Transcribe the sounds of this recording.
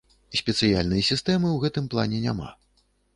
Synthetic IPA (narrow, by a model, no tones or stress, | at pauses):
sʲpʲɛt̪sɨjalʲnɨjɐsʲist̪ɛmɨwɣɛt̪ɨmplˠa̰nʲɛnʲa̰ma̰